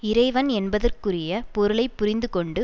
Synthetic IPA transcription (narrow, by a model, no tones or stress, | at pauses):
ɪɾɐɪʋɐnɛnbɐðɐrkɯrɪjɐpɔɾɯɭɐɪpːʊɾɪnd̪ɯkɔɳɖɯ